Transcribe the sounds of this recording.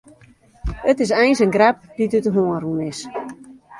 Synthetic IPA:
ətɪs̬ɛjnsənɡrɛp̚didytəɦoəɾunɪs

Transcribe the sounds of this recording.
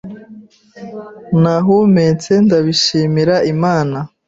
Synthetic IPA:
naɦumet͡se̞ndaβiʃiːmiɾaʔimaːna

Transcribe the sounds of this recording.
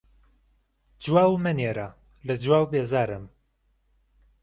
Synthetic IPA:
d͡ʒwaːwmɨneːɾa | lɐd͡ʒwaːwbeːzaːɾɨm

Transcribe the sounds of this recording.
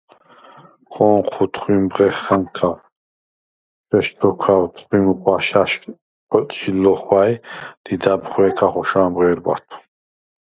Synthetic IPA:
χɔːqʰut̪ʰχimbʁɛχːankʰa | ʃɛʃd̪ʰɔkʰawt̪ʰχwimχwaʃaʃ | qʼɔt̪ʼʃilɔχwajd̪̥id̪abχwɛːkʰaχɔʃaːmʁɛːɾba̰t̪ʰu̥

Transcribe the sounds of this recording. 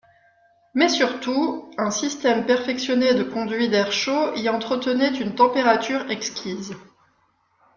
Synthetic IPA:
mɛsyʁt̪uɛ̃sist̪ɛmpɛʁfɛksjɔned̪əkɔ̃d̪ɥid̪ɛʁʃoiɑ̃t̪χət̪ənɛt̪ynt̪ɑ̃peʁat̪yʁɛkskʲiz

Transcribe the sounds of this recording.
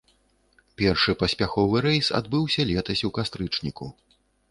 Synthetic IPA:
pʲɛrʂɨpɐsʲpʲaxɔvɨɾɛjsa̰d̪bɨwsʲɐlʲɛt̪ɐsʲukast̪ɾɨt͡ʂnʲiku

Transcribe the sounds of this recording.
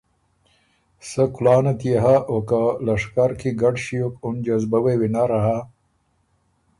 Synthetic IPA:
səkʊlɑːnat̪ijeɦaʔokalɐʂkaɾkʰiɡaɖɕijokʊnd͡ʒazbawewinaɾaɦa

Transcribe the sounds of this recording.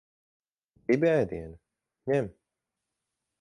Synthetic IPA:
dibiajd̪iɛn | ɲɛm

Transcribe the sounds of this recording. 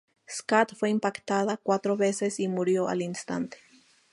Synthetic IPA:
skat̪fweimpakt̪aðakwat̪ɾoβesesimuɾjoʔa̰linst̪a̰nt̪e̥

